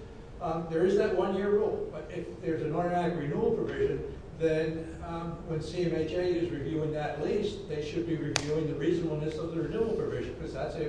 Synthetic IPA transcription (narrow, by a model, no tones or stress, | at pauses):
ðə˞ɨzðɨʔ̚wʌ̃njɪɹɡob̥ʌɾɪfðə˞zɨ̃nɔɹənæɾɨkɹinul̩ˠpʰɹ̥əvɪʒɨ̃n | ðɨ̃n | wɨ̃nsiɛ̃meɪt͡ʃeɪɪzɹɨvjʉɪ̃ŋðɨʔˡlist̚ðeɪʃɨd̚biɹɨvjʉɪ̃ŋðɨɹiznəbl̩ˠnɨsʌvðəɹɨnul̩ˠpʰɹ̥ɨvɪʒɨ̃nkʰʌzðætsɨ